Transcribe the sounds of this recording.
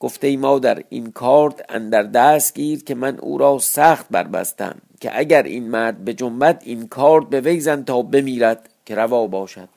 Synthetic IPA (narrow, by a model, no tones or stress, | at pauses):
ɡ̥o̞ft̪eiːmɒːd̪æɾḭnkʰɒːɾt̪ʰæ̰nd̪æɾd̪æːst̪ɟiːɾkʰe̞mænʔṵːɾɒːsæːxt̪̚bæ̰ɾbæ̰st̪æ̰mcʲʰḛʔæɟæɾʔḭːnmæɾd̪̚be̞d͡ʒombæd̪inkʰɒːɾt̪̚be̞ve̞jzænt̪ʰɒːbe̞miːɾæd̪̥kʰe̞ɾævɒːbɒːʃæd̪̥̚